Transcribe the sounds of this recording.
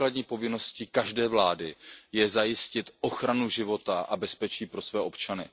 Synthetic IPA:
kladɲiːpo̞vɪno̞scɪkaʒdɛːvlaːdɪjɛzajɪscɪt̪ʔo̞xɾanuʒɪvo̞t̪aʔabɛspɛt͡ʃiːpɾo̞svɛːopt͡ʃanɪ̰

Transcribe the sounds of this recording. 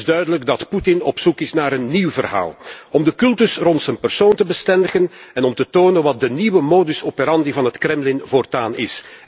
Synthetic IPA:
zdœɥdələɡdɑtputɪnɔpsukɪsnaːɾənːiwvərɦa̰ːlˠɔmdəkɵlˠtɵsrɔntsənpərsoːntəbəstɛndəɣənɛnɔmtətoːnənʋɑt̚dəniʋəmoːdʏsoːpeɾɑndivɑnɦətkrɛmlɪnvoːrtaːnɪ̰s

